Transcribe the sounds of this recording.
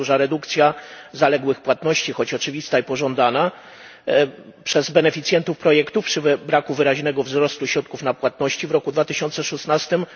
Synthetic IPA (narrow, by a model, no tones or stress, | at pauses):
uʐaɾɛd̪ukt̪sʲjazalɛɡwɘxpwat̪nɔɕt͡ɕixɔt͡ɕɔt͡ʂɘvʲist̪aipɔʐɔnd̪ana | pʂɛzbɛnɛfʲit̪sʲjɛnt̪ufpɾɔjɛkt̪upʂɘvbɾakuvɘɾaʑnɛɡɔvzɾɔst̪uɕɾɔt̪̚kufnapwat̪nɔɕt͡ɕivɾɔkud̪vat̪ɘɕɔnt̪sɛʂusnast̪ɘm